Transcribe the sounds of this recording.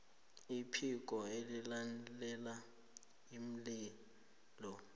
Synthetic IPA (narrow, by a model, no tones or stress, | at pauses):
ipʰik̬ʼɔelilanlɛla | im̩li | lɔ